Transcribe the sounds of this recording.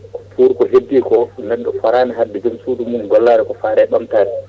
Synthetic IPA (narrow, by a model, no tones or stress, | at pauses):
pʰuɾkɔɦedːikɔnɛɗːɔfaɾaːnaɦaɗːid͡ʒumsuːdumuːnɡɔlːaːɾɛkɔfaːɾɛɓamtaːɾɛ